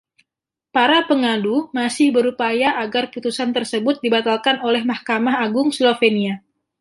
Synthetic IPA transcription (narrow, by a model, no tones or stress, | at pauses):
paɾapəŋadumasɪhbəɾupajaʔaɡarput̪usant̪ərsəbʊt̪̚dibat̪alkanolɛhmahkamaɦaɡʊŋslofenia